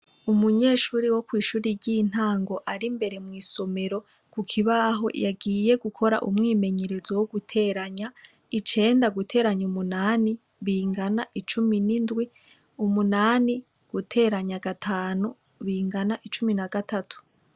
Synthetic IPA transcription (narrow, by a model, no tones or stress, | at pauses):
umuɲe̞ʃuːɾiwo̞kwiːʃuːɾiɾɟiːn̥haːŋɡo̞ʔaɾimbe̞ɾe̞mwiːso̞me̞ɾo̞ | kukʰiβaɦo̞̰jaɡiːje̞ɡukʰo̞ɾa̰ʔumŋiːme̞ɲeɾe̞zowoɡutʰe̞ːɾaɲa | it͡ʃe̞ːndaɡutʰe̞ːɾaɲumunaːni | βiːŋɡanaʔit͡ʃuminindwi | umunaːni | ɡ̥utʰe̞ːɾaɲaɡatʰaːnu | βiːŋɡanaʔit͡ʃuminaɡatatu̥